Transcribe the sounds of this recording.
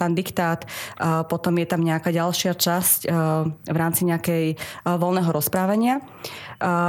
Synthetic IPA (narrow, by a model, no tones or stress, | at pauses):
t̪and̪ikt̪aːt̪pɔt̪ɔmjɛt̪amɲɛakaːɟalʃɪat͡ʃasc | ʋɾaːmt͡siɲɛakɛjʋɔlnɛːɦɔɾɔspɾaːʋaɲɪa